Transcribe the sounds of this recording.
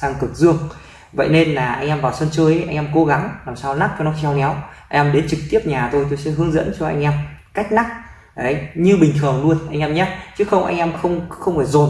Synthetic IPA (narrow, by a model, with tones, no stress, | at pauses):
saː˧ŋkɨ˨˩t̚zɨ˧əŋ | və̰˧˨jne˧nlaː˨˩ʔa˧jŋ̟ʔɛ˧mvaː˨˩wswə˧nt͡ɕəː˧jʔʔa˧jŋʔɛ˧mko˨˦ɣa˨˦ŋlaː˨˩msaː˧wna˦˥k̚t͡ɕɔ˧nɔ˨˦˥t͡ɕɛ˧wŋɛ˨˦wʔa˧ŋ̟ʔɛː˧mɗe˨˦nt͡ɕɨ˨˩k̚t̪i˦˥əp̚ɲaː˨˩t̪o˧jt̪̬o˧jsɛ̰˧˥ɦɨ˨˧əŋzə̰˧˥nt͡ɕɔ˧ʔa̰˧jŋ̟ʔɛ˧mka˦˥jk̟̚na˦˥k̚ | ʔə˨˩˦jɲɨ˧ɓï˨˩ŋ̟t̪ʰɨ˨˩əŋlu˧ənʔa˧jŋ̟ʔɛ˧mɲa˨˦t͡ɕɨ˨˦xə˧wŋ͡mʔa̰˧jŋʔɛ˧mxə˧wŋ͡mxə˧wŋ͡mfaː˧˩jzo˨˩n